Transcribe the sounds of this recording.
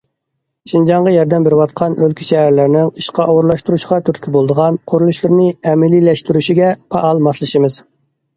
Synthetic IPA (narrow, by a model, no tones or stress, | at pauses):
ʃind͡ʒɑɴʁɑjɑɾd̪ɛmbɪɾɪwɑt̪qʰɑnølkʲʰi̥ʃɛhæɾlɪɾnɪŋiʃqɑʔɑwʊɾlˠɑʃt̪uɾuʃqɑt̪ʰyɾt̪ɪ̥kʲʰibolˠd̪əʁɑnqʰoɾulˠuʃlˠɨɾnɪɛmɪlilɛʃt̪yɾyʃiɡʲɛpʰɑʔɑlˠmɑslˠɨʃimɨz̥